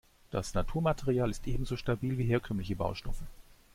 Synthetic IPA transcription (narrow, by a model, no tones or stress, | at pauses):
d̥asnatʰuːɐmatʰeʁiaːlɪstʔeːbm̩zoːʃtabiːlviːɦeːɐkʰœmlɪçəba̰ʊʃtɔfə